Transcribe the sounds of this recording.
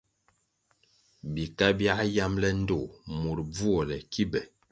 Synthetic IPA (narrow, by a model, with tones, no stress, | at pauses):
bi˨ka˦bja˦ja˦mlɛ˦n̩˦do˦˨mo˨ɾb͡vu˦ɔ˨lɛ˨ki˦bɛ˨